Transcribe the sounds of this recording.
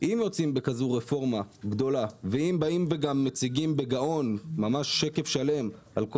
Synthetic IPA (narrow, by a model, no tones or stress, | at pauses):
ʔimjo̞t͡simbekazuʁefo̞ʁmaɡdo̞laveimbaimveɡamːet͡siɡimbeɡao̞nmːamaʃːe̞kefʃale̞m | alk